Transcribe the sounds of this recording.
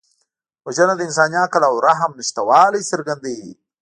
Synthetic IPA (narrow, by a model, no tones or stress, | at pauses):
wɐʒɐnad̪ɪns̬aːnjaːkɐlawɾaɦɐmniʃt̪ɐwaːlisɐɾɡɐnd̪i